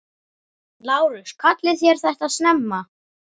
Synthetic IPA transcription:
laːwɾʏskʰat̪lɪθjɛɾ̥θɛht̪aðsnɛmːa

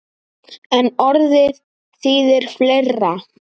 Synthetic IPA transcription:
ɛnɔɾðɪɾ | θiːðɪɾ̥flerːa

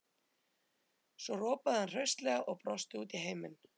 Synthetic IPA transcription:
svɔrɔːpaðɪhanr̥œɥst̪lɛːɣaʔɔɣpɾɔst̪ɪuːt̪iɦeːjmɪn

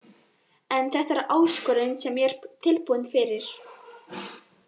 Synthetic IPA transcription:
ɛnθɛht̪aɛɾʔaːwskɔɾɪnsɛmjɛɾ̥t̪ʰɪlpuwnfɪɾɪɾ̥

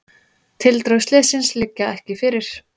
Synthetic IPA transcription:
t̪ʰɪlt̪ɾowslɪːsɪnslɪcːaɛhcɪfɪɾɪɾ̥

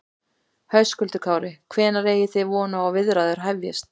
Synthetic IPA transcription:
hœɥskʏlt̪ʏkʰaːwɾɪkʰvɛːnaɾeːjɪθɪjvɔːnaawvɪðɾaðʏɾ̥ɦajvjɛ̰st̪

